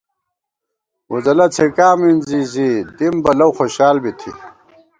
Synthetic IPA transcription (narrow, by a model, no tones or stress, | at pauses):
uzɐlɐt͡sʰekaːminzizid̪imbɐlɐwxoɕaːlbit̪ʰḭ